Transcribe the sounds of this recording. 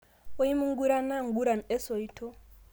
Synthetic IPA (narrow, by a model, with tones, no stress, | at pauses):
ɔ˦i˦mu˦ŋ˦ɡu˦ɾa˦na˦ŋ˨ɡu˦ɾa˨mɛ˦sɔ˨i˦tʰɔ˦